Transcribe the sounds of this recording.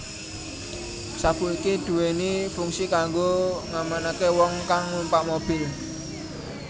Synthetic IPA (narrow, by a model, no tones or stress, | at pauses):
sab̥ṳikid̪̥ṳwenifuŋsikaŋɡoŋamanakewɔŋkaŋːumpaʔmob̥ɪ̤l